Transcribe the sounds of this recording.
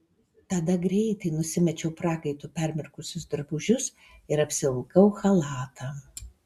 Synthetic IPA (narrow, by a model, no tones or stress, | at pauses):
t̪ɐd̪ɐɡɾʲɛɪt̪ɐɪnʊsʲɪmʲɛt͡ʃʲɛʊpɾɑːkɐɪt̪ʊpʲɛɾʲmʲɪɾkʊsʲʊsd̪ɾbʊʒʲʊs | ɪɾɐpʲsʲɪlˠɐlˠkɐʊxɐlˠɑːt̪ʰɑː